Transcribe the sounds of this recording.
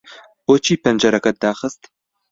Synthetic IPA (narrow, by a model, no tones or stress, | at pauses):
ɔt͡ʃʰiːpʰɐnd͡ʒɐɾɐkʰɐt̚d̪aːχəstʰ